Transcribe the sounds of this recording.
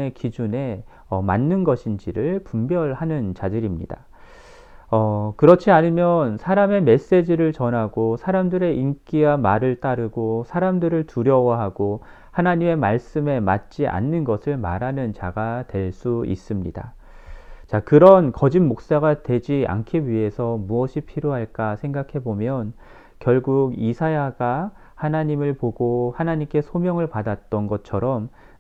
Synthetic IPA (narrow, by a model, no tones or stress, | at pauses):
ekid͡ʑune̞ | ʌma̰nːɯnɡʌɕʰind͡ʑiɾɯɭpumbjʌɭhanɯnt͡ɕadɯɾimɲḭda | ʌkɯɾʌt͡ɕʰiaɲimjʌnsʰaɾame̞me̞s͈e̞d͡ʑiɾɯɭt͡ɕʌnɦaɡosʰaɾamdɯɾe̞ʔink͈iwamaɾɯɭt͈aɾɯɡosʰaɾamdɯɾɯɭtuɾjʌwaɦaɡ̥o | hanaɲime̞maɭs͈ɯme̞ma̰t̚t͡ɕ͈iʔa̰nːɯnɡʌsʰɯɭmaɾɦanɯnt͡ɕaɡatwe̞ɭs͈uḭs͈ɯmɲida | t͡ɕakɯɾʌnkʌd͡ʑinmok̚s͈aɡatwe̞d͡ʑia̰nkʰiɥiɦe̞sʰʌmuʌɕʰipʰiɾjoɦaɭk͈asʰe̞ŋɡakʰe̞bomjʌn | kjʌɭɡuɡisʰajaɡa | hanaɲimɯɭpoɡohanaɲimk͈e̞sʰomjʌŋɯɭpadat͈ʌnɡʌt͡ɕʰʌɾʌm